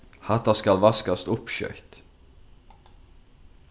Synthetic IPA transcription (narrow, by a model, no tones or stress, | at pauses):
hɑt̪ɑskɑlʋɑskast̪ʊpʃœ̰ʏt̪